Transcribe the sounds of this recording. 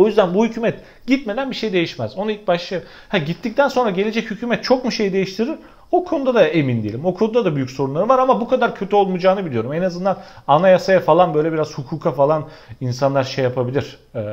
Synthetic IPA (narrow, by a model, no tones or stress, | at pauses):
o̞jyzd̪ænbuhycʰyːmɛt̪ | ɟ̥it̪med̪ænbiʃe̞jd̪e̞jiʃmɛz̥o̞nuilʲc̚baʃlˠaj | hæɟit̪ʰːic̚t̪ʰænso̞nɾaɟelʲed͡ʒɛchycʰyːmɛt̪̚t͡ʃʰo̞kmuʃe̞jid̪e̞jiʃt̪ʰiɾiɾ | o̞kʰo̞nud̪ad̪ae̞mind̪ijelʲimo̞kʰo̞nud̪ad̪abyjycʲso̞ɾunˠaɾɯvaɾamabukʰad̪aɾcʰøt̪ʰyo̞lˠmud͡ʒaːnɯbilʲijo̞ɾumenazɯnd̪ananajasajafalˠanbø̞jlʲebiɾaz̥hukʰuːkʰafalˠan | insanlˠaɾʃejapʰabilʲiɾ̥